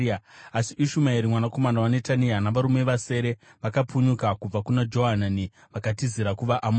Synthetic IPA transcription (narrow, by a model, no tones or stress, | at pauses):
asiʔiʃumaiɾimwanako̞manawanetanianaʋaɾume̞ʋase̞ːɾe̞ʋakapuɲukakub͡vakunad͡ʒo̞ɦanani | ʋakatiziɾakuʋaʔam